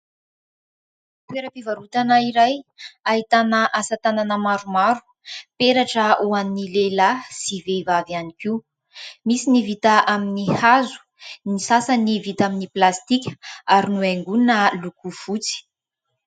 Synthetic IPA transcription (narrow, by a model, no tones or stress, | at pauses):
t̪weɾəpivaɾut̪anəiɾajaɦit̪anəʔasat̪ananəmaɾumaɾu̥ | peɾaʈ͡ʂəuanːilelasivevavanikiu | misinivit̪aaminihazu̥ | nisasanivit̪aminiplast̪ikʲə̥aɾinueŋɡunnəlukuv̥ut͡si̥